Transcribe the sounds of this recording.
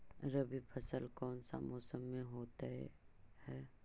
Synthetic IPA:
ɾəbipʰɐsəlkɔːnsa̰moːsəmːẽɦoːt̪ahɛː

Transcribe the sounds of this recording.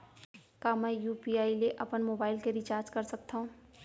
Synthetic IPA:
kamɛ̃ːjuːpiaːileʔɐpənmoːbaːɪlkeɾit͡ʃaːɾd͡ʒkɐɾsɐk̚t̪aɦũ

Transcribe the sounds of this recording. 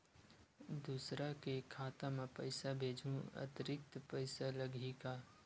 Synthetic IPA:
d̪uːsɾakekʰːaːt̪amẽpəɪsabʱeːd͡ʒʱũɐ̰t̪ɾɪk̚t̪pəɪsaləɡʱika

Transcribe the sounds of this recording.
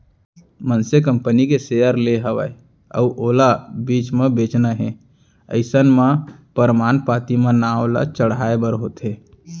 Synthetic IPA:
mənsekəmpənikeseəɾleɦəʋə̰e | ə̰uʔoːlabit͡ʃmebet͡ʃnəɦḛ̃ | ə̰ɪsənmepəɾmaːnpat̪imẽnaola̰t͡ʃəɽɦaebəɾɦot̪ʰe

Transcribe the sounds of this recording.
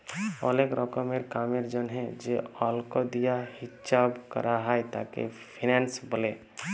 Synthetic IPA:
ɔ̰lekɾʔɔkəmeɾkameɾd͡ʒənɦɛ̃d͡ʒeɔlkod̪ijahit͡ʃabkə̰ɾʔaɦajt̪a̰kḛ | pʰinɛnsbəle

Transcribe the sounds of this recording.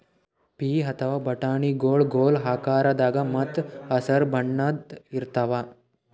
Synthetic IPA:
piːɦɐt̪ʰɐʋaːbɐʈaːɳiɡoːɭɡoːlɦaːkaːɾɐd̪aːɡɐmɐt̪ɐsɐɾbʱɐɳːɐd̪iɾt̪ɐʋaː

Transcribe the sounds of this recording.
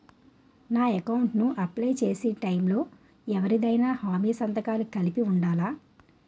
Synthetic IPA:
naːekɐwɳʈnuʔɐplɐjt͡ʃe̞ːsiːʈɐjmlo̞ː | ɛʋɐɾid̪ɐjnaːhaːmiːsɐnt̪ɐkaːlukɐlipiuɳɖaːlaː

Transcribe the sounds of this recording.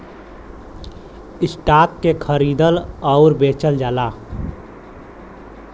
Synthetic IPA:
isʈakːekʰəɾid̪ələʊɾbet͡ʃəld͡ʒaːla

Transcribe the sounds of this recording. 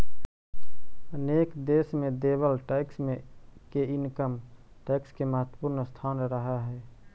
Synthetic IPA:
əneːkd̪eːsmẽd̪eːbəlʈaɪksmẽkeɪnkəm | ʈɛːkskeməɦət̪wəpuɾnəst̪ʰaːnɾəɦaɦɛː

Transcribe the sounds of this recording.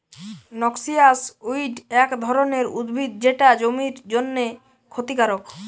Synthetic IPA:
nɔksiasuiɖɛkd̪ʱɔɾoneɾud̪bʱid̪̚d͡ʑeʈad͡ʑomiɾd͡ʑonːe | kʰot̪ikaɾok

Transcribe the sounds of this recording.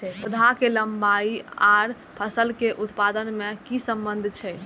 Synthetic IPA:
ud̪ʱakeləmbaiaɾ | pʰəsəlkeʔut̪pad̪ənmekisəmbənd̪ʱt͡ʃʰɛ

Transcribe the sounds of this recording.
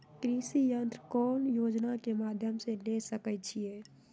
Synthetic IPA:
kɾisijənt̪ɾəkɔːnjoːd͡ʒnakemaːd̪ʱjəmselesəkɛt͡ʃʰie

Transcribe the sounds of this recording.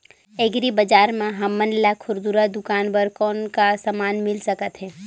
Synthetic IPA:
eɡɾibɐd͡ʒaːɾmãɦɐmːənlakʰʊɾd̪uɾad̪ʊkaːnbəɾkɔːnkasɐmaːnmɪlsɐkət̪ɦɛː

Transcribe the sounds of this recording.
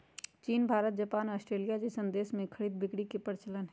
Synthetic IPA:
t͡ʃiːnbʱaːɾət̪̚d͡ʒɐpaːnɔːsʈɾeːlijad͡ʒisə̃nd̪eːsmẽkʰɐɽiːd̪̚bɪkɽikepəɾɪt͡ʃələnɦɛ

